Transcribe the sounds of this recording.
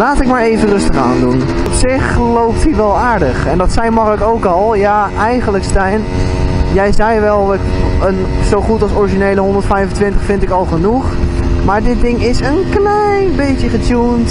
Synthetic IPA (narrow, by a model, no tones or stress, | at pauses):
laːtɪk̚maːɹejvərɵstəχa̰ːndun | ɔpsɪχlowp̚tɦiʋɛlˠaːɹdəχɛndɑtsɛjmɔrəkowkɑlˠjaːʔɛjχənləkstɛjn | jɛjzɛjʋɛlˠɪkənz̥owχutɑlˠsɔɹiʒinejləɦɔndətfɛjvntʋɪntəχfɪntɪkɑlˠχənuχmaːɹdɪt̚dɪŋɪsənklɛjnbejtjəχətunt